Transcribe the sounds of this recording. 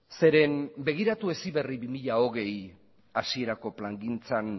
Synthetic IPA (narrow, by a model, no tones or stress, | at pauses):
se̞ɾe̞mbe̞ɣ̞iɾat̪ue̞siβe̞ribimiʎao̞ɣ̞e̞j | asie̞ɾako̞plaŋɡint͡san